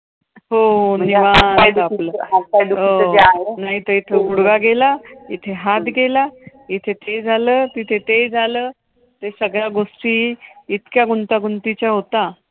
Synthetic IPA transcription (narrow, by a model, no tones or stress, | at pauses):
ɦoniʋaaləakad̪uɦoaɦenaɦit̪əit̪ʰeɡuɽɡaɡelait̪ʰeɦat̪ɡela | it̪ʰet̪ed͡zʱaləːt̪it̪ʰet̪ed͡zʱaləː | t̪esəɡɭjaɡoʂʈiːit̪kjaɡunt̪aɡunt̪it͡ɕjaɦot̪a